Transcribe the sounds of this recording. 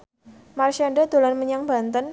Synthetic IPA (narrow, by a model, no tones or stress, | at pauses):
marʃaɳɖəd̪̥olanməɲaŋba̤nt̪ən